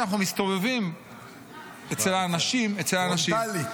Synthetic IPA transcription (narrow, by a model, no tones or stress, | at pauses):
naχnumist̪ovevim | et͡selaːnaʃimet͡selaːnaʃili